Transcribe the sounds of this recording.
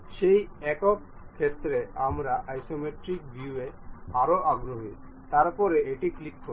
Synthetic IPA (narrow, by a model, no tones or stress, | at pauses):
ʃejɛkɔkkʰːɛt̪ɾɛamɾaʔajsomeʈɾik̚bʱjueaɾoʔaɡɾɔɦi | t̪aɾpɔɾɛeʈiklikːɔ